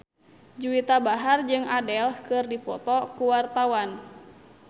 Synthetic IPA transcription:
d͡ʒuit̪abaɦard͡ʒɨŋadɛlhkɨrdipɔt̪ɔkuwart̪awan

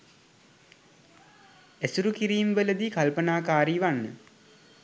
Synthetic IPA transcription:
æsuɾukiɾiːmʋələd̪ikalpənaːkaːɾiːʋanːə

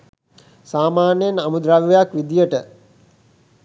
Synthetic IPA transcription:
saːmaːnjenamud̪ɾaʋiʋejakʋid̪ijəʈə

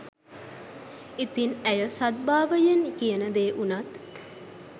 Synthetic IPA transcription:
it̪inæjəsɐd̪̚baːʋəjɐnikijənəd̪eːʔunɐt̪

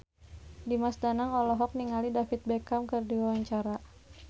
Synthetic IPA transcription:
dimasdanaŋɔlɔɦɔk̚niŋalidafit̪̚bɛkamkərdiwawaɲt͡ʃaɾa

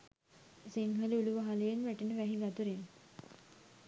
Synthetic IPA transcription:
siŋɦəliuluʋaɦalejenʋæʈəɳəʋæɦiʋæt̪uɾen

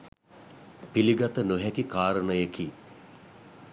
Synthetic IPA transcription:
piliɡat̪ənuɦɛkikaːɾənəjəki

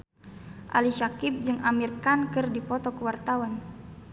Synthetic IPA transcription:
ʔa̰liʃakip̚d͡ʒɨŋʔamirkankɨrdipɔt̪ɔkəwart̪awan

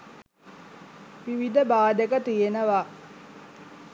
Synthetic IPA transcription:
ʋiʋid̪əbaːd̪ekət̪ijenəʋaː

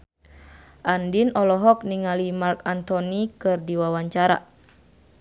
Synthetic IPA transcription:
ʔandinɔlɔɦɔk̚niŋalimarkant̪ɔnikɨrdiwawaɲt͡ʃaɾa̰

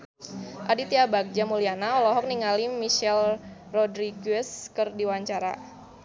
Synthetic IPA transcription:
ʔadit̪iabak̚d͡ʒamulianaɔlɔɦɔk̚niŋalimiʃɛlrɔdɾiɡɛskərdiwaɲt͡ʃaɾa̰

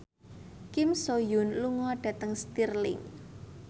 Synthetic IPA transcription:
kɪmsojʊnluŋɔɖ̥ä̤t̪əŋst̪irlɪ̰ŋ

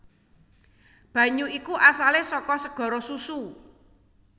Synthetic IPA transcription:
b̥ä̤ɲuikuʔasalesɔkɔsəɡ̥ɔ̤ɾɔsusu

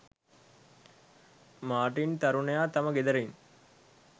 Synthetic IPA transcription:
maːʈint̪ɐɾunəjaːt̪aməɡed̪əɾen

